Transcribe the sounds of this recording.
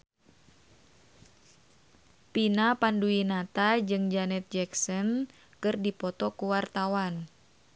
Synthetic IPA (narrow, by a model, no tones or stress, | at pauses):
pinapanduinat̪ad͡ʒɨŋd͡ʒanɛt̪̚d͡ʒɛksɔn | kɨrdipɔt̪ɔkuwart̪awan